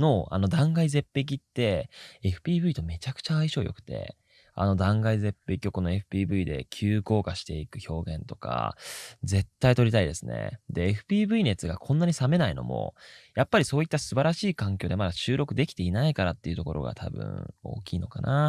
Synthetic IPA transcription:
noa̰no̞d̪ãŋɡaize̞pːe̞k̬ʲit̪ːe̞eɸɯ̟̥pʲiːbɯ̟it̪o̞me̞t͡ɕakɯ̥t͡ɕaːiɕo̞ːjo̞̰kɯ̟̥t̪e̞̰ | a̰no̞d̪ãŋɡaize̞pːe̞kʲio̞ko̞no̞e̞ɸɯ̟̥pʲiːbɯ̟id̪e̞kʲʰɨːko̞ːkaɕi̥t̪e̞ikɯ̟ço̞ːɡẽ̞nt̪o̞ka̰d͡ze̞t̪ːait̪o̞ɾʲit̪aid̪e̞sɨne̞̰d̪e̞ːɸɯ̟̥pʲiːbɯ̟ine̞t͡sɨɡakʰõ̞nːaɲ̟isame̞naino̞̰mʔo̞̰japːaɾʲiso̞ːit̪ːasɨbaɾaɕiːkãŋk̬ʲo̞ːd̪e̞mad̪aɕɨːɾʔo̞kɯ̟d̪e̞kʲi̥t̪e̞inaikaɾat̪ːe̞iɯ̟t̪o̞ko̞ɾo̞̰ɡa̰t̪ʰa̰bɯ̟̰̃ɴo̞̰ːkʲḭːno̞̰kanʔa

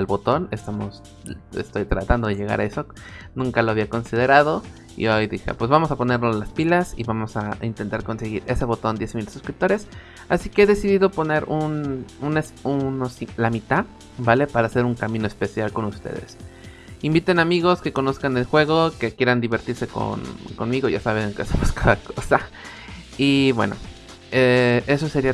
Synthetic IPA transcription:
albo̞t̪o̞ne̞st̪amo̞s | ḛst̪o̞jt̪ɾa̰t̪and̪o̞ð̞eʝe̞ɣ̞a̰ɾʔaesok | nũŋkalo̞aβiako̞nsið̞e̞ɾað̞o̞ | ḭojðixḛpwe̞zβamo̞sapo̞ne̞ɾlolaspilasḭβamo̞saint̪e̞nt̪aɾko̞nse̞ɣiɾe̞se̞βo̞t̪o̞nd̪je̞smilsuskɾip̚t̪o̞ɾe̞s | asike̞eðe̞siðiðo̞po̞ne̞ɾununesunosilamit̪a | bale̞paɾaːse̞ɾuŋkamĩno̞e̞spe̞sjalko̞nust̪ḛðe̞̰s | imbit̪e̞namiɣ̞o̞ske̞ko̞no̞skane̞lxwe̞ɣo̞ke̞kjeɾand̪iβe̞ɾt̪iɾse̞ko̰nko̞nmiɣo̞ʝasaβeŋkeasemoskaðakosa | iβwe̞̰no̞̰ | ee̞so̞se̞ɾia

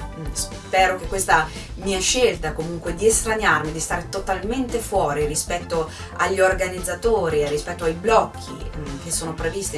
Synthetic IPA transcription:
s | pɛːɾok̟ekːwest̪a | miːaʃːelt̪akomuŋkwed̪iest̪ɾaɲarmid̪ist̪aːɾet̪ot̪alment̪efwɔːɾirispɛt̪ːo | aʎːiorɡanid̪zːat̪oːɾirːispɛt̪ːoajblɔkʰːḭk̟esːoːnopɾevist̪i

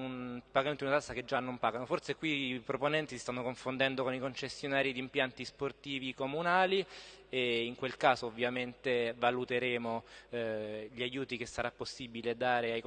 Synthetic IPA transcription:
unpaɡament̪d̪unat̪asːaked͡ʒːanːompaːɡanoforsekwipɾoponɛnt̪isist̪anːokoɱfond̪ɛnd̪okonikont͡ʃesːjonaːɾid̪impjant̪isport̪iːvikomunaːlieiŋkwelkaːzoːvːjament̪evalut̪eɾeːmo | ʎiajuːt̪ikesːaɾapːosːibiled̪aːɾeajk

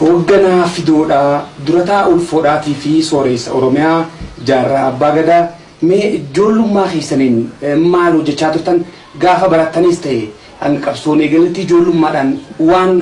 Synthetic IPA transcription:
hoːɡːɐnaːfɪd̪oːᶑad̪ʊɾɐt̪aːʔʊlfoːᶑaːt̪iːfɪsoːɾeːsːɐ̰ʔɔɾɔmɪjaːd͡ʒaːrːaːɐbːaːɡɐd̪aː | meːɪd͡ʒoːlːʊmːaːke̞ːsːɐniːnmːaːlhɔd͡ʒːɛt͡ʃːaːt̪ʊɾt̪ɐn | ɡaːfɐbɐɾɐt̪ːɐniːst̪ɐʔɛ | ɐŋkʼɐbsoːneːɡɐlːɪt̪ːɪɪd͡ʒo̞ːlːʊmːaːᶑanwaːn

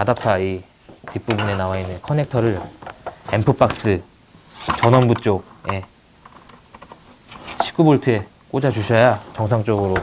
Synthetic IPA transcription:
kadap̚tʰai | tip͈ubune̞nawainːɯnkʰʌne̞k̚tʰʌɾɯɭ | empʰɯp͈ak̚s͈ɯ | t͡ɕʌnʌnbut͡ɕ͈ok̚je̞ | ɕʰi̥k͈uboɭtʰɯe | k͈od͡ʑad͡ʑuɕʰʌjat͡ɕʌŋsʰaŋt͡ɕ͈ʌɡɯɾo

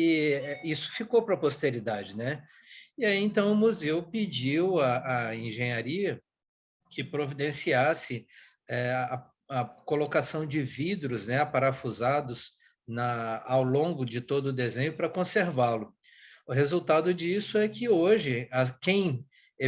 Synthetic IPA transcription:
ɪɛisʊ̥fikowpɾɐpost̪eɾid̪ad͡ʒɪnɛ | iaiẽnt̪ɐ̃w̃ʊmuzewpid͡ʒiwɐːẽʒẽɲaɾiɐ | kɪpɾovid̪ẽsiasɪ | ɛɐ | ɐkolokasɐ̃w̃d͡ʒɪvid̪ɾʊznɛpaɾafuzad̪ʊz | nɐawlõŋɡʊd͡ʒɪt̪od̪ʊːd̪ezẽɲʊpɾɐkõseɾvalʊ | ʊɦezuwt̪ad̪ʊd͡ʒisʊɛkɪoʒɪɐkẽj̃

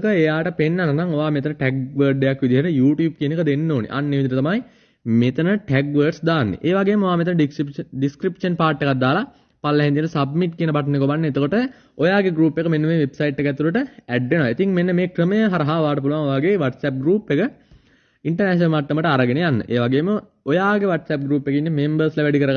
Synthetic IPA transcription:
kəejaːʈəpenːalɐnaŋoʋaːmet̪ənəʈɛɡ̚ʋəːɖːejakʋid̪iɦeɾəjuːʈjuːb̚kiənekəd̪enːoːnḛʔa̰nːiʋid̪iʈət̪amaj | met̪ənəʈɛɡʋəːɖsd̪aːnːḛʔeːʋaɡejmːoʋaːmet̪̬ənəɖiɖiskɾipʂənpaːʈːekat̪̚d̪aːla | palːəɦɛ̃nt̪iənəsab̚miʈ̚kiənəbaʈ̬ːnekobanːeet̪əkoʈə | ojaːɡeɡɾuːpːekəmenːəʋeʋebsajiʈːekæt̪ːuləʈəæɖʋenoʋait̪iŋmenːəmeːkɾəməjəɦaɾɐɦaoʋaːʈəp̬uluʋaŋoʋaːɡeʋɐʈsɛp̚ɡɾuːpːekə | iɳʈəɾnæʃənəlmat̪ːəməʈəaɾɐɡenejanːə̰ʔeːʋaɡeːmə | ojaːɡeʋɐʈsɛp̚ɡɾuːpːekinːemembəɾsləʋɛɖikəɾəɡ

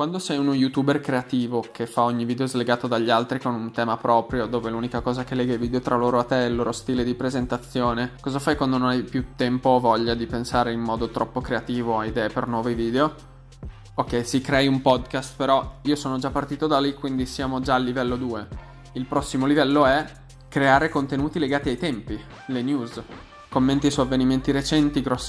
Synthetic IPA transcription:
kwand̪osɛjunjut̪uːberkɾeat̪iːvokʰefːaoɲːiviːd̪eozleɡaːt̪od̪aʎːalt̪ɾikonunt̪ɛːmapɾɔːpɾjod̪oːveluːnikakɔːzakelːɛːɡalviːd̪eot̪ɾʔaloːɾoat̪ːɛilːoːɾost̪iːled̪ipɾezent̪at̪sːjoːnekɔzafajkwand̪ononajpjut̪ːɛmpovɔʎːad̪ipensaːɾeimmːɔːd̪ot̪ɾɔpːokɾeat̪iːvoaid̪ɛːepernwɔːveviːd̪eo | okːɛjsikɾɛjumpɔd̪kast̪peɾɔiːosoːnod͡ʒapːart̪iːt̪od̪alikwind̪isjaːmod͡ʒaːlːivɛlːod̪uːe | ilpɾɔsːimolivɛlːoɛ | kɾeaːɾekont̪enuːt̪ileɡaːt̪iajt̪ɛmpi | lenjuːz | komːent̪isuavːeniment̪iɾet͡ʃɛnt̪iɡɾɔsː

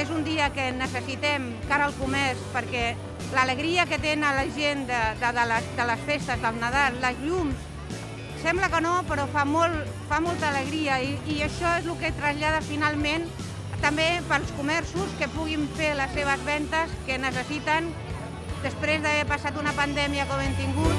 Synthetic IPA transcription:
ezund̪iəkənəsəsit̪ɛm | kaɾəlˠkumɛrspəɾkɛ | lələɣɾiəkət̪enələʒend̪əd̪əðələsd̪ələsfest̪əzðəlˠnəðalˠːəzʎums | sɛmbləkənopəɾɔfamolˠ | famɔlˠt̪əːləɣ̞ɾiəiːəʃɔezlukət̪ɾəzʎað̞əfinalˠmen | t̪əmbepəɾlˠskumɛrsuskəpuɣiɱfeləsːeβ̞əzβɛnt̪əskənəsəsit̪ən | d̪əspɾezðəβɛpəsat̪unəpənd̪ɛmiəkoβent̪iŋɡut̪

